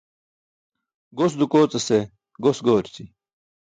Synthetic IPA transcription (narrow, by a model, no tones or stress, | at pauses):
ɡosd̪ukoːt͡sɐse | ɡosɡoːɾt͡si